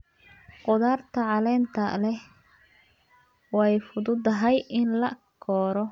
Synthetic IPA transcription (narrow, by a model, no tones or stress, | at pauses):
qʊðaːrt̪ʰɐʕɑlɛːnt̪ʰɐlɛ | wɑɛjfʊðʊd̪ɐɦɛjɪnlɐkʰɔːɾɔ